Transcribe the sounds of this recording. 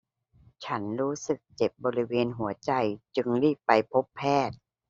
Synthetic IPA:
t͡ɕʰa˦˥nɾuː˦˥sɯ˨˩k̚t͡ɕe˨˩p̚bɔː˧ɾi˦˥weː˧nɦu˩˦ɐt͡ɕa˧jt͡ɕɯ˧ŋɾiː˥˩k̚pa˧jpʰo˦˥pʰːɛː˥˩t̪̚

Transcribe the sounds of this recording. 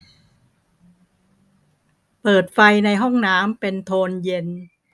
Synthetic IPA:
pɤː˨˩t̪̚fa˧jna˧jɦɔ˥˩ŋnaː˦˥mpe˧nt̪ʰoː˧nje˧n

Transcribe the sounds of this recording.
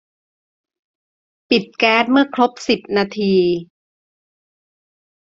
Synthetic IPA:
pi˨˩t̪̚kɛː˦˥t̪̚mɯ˥˩ɐkʰɾo˦˥p̚si˨˩p̚naː˧t̪ʰiː˧

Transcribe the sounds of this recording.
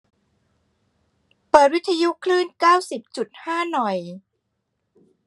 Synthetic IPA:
pɤː˨˩t̪̚wi˦˥t̪ʰːa˧ju˦˥kʰlɯː˥˩nkaː˥˩wsi˨˩p̚t͡ɕu˨˩t̪̚haː˥˩nɔ˨˩j

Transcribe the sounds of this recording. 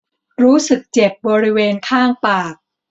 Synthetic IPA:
ɾuː˦˥sɯ˨˩k̚t͡ɕe˨˩p̚bɔː˧ɾi˦˥weː˧nkʰaː˥˩ŋpaː˨˩k̚

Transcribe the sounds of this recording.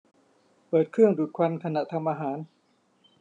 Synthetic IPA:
pɤː˨˩t̪̚kʰɾɯ˥˩əŋduː˨˩t̪̚kʰa˧nkʰa˧na˨˩t̪ʰa˧mʔaː˧ɦaː˩˦n

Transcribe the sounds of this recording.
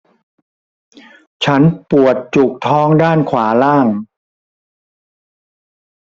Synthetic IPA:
t͡ɕʰa˦˥npu˨˩ət̪̚t͡ɕu˨˩k̚t̪ʰɔː˦˥ŋdaː˥˩nkʰwaː˩˦laː˥˩ŋ

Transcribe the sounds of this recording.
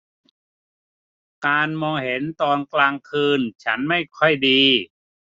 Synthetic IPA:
kaː˧nmɔː˧ŋhe˩˦nt̪ɔː˧nklaː˧ŋkʰɯː˧nt͡ɕʰa˦˥nma˥˩jkʰɔ˥˩jdiː˧

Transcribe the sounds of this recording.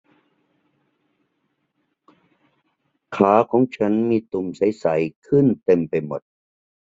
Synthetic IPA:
kʰaː˩˦kʰɔː˨˩˦ŋt͡ɕʰa˦˥nmiː˧t̪u˨˩msa˩˦jsa˩˦jkʰɯ˥˩nt̪e˧mpa˧jmo˨˩t̪̚

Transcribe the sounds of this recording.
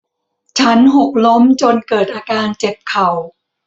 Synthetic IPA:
t͡ɕʰa˦˥nɦo˨˩k̚lo˦˥mt͡ɕo˧nkɤː˨˩t̪̚ʔaː˧kaː˧nt͡ɕe˨˩p̚kʰa˨˩w

